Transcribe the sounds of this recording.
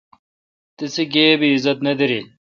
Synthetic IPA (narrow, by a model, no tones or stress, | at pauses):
t̪isiɡeːbiːzɐt̪nɐd̪iɾi